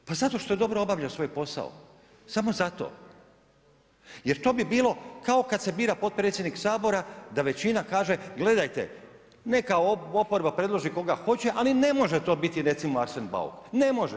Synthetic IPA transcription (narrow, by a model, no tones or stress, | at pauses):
pazat̪o̞ʃt̪o̞je̞d̪o̞bɾoobaːʋʎaosʋo̞jpo̞sa̰o̰ | samo̞zat̪o̰ | je̞ɾt̪o̞ːbibiːlˠo̞kao̞kad̪se̞biːɾapo̞t̪̚pɾet̪sjed̪niksaːbo̞ɾad̪aʋe̞t͡ɕinakaːʒe̞ɡle̞d̪ajt̪ḛ | ne̞kaoo̞poɾbapɾe̞d̪lˠo̞ʒiko̞ɡaxo̞t͡ɕe̞ʔaline̞mo̞ʒet̪o̞ːbit̪iɾe̞t̪simoaɾsenba̰ṵknemo̞ʒe